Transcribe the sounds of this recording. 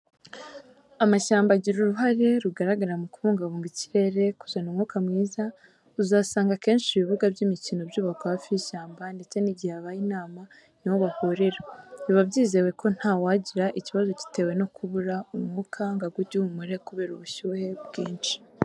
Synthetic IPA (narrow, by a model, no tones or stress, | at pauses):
amaʃaːmbaɟiɾuɾuɦaɾe̞ɾuɡaɾaɡaɾamukuβuːŋɡaβuːŋɡici̥ɾe̞ɾe̞ku̥zanuːmŋuːkamŋiːza | uzaːsaːŋɡake̞ːnʃiβiβuɡabɟimicinobjuːβahkhafijiʃaːmbande̞t͡se̞niɟiaβajinaːma | niwoβahuɾeɾaiβabɟiːze̞we̞kʰo̞n̥hawaːɟiɾaʔiciβazo̞ci̥te̞ːwe̞no̞kuβuɾaumuŋukʰaŋɡaɡuɟuumuɾe̞kuβe̞ːɾuβuʃuhe̞bɡiːnt͡ʃi̥